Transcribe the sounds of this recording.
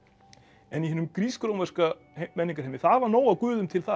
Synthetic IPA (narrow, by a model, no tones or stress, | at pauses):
ɛnihɛnʏmkɾiːskɾowmɛɾ̥ska | mɛnːiŋkaɾ̥ɦɛjmːɪɾ̥θaðvaɾnoːwakʏːðʏmt̪ʰɪlθa